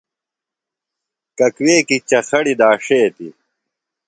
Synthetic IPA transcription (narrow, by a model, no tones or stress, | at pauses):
kɐkweːkit͡ɕɐxɐɽid̪aːʂeːt̪ḭ